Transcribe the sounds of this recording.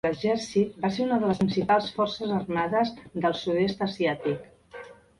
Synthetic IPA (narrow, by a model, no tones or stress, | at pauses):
əʒɛrsit̪̚baseɾunəðələsinsipalˠsfɔrsəzərmaðəzðəlˠsuðest̪əsiat̪ik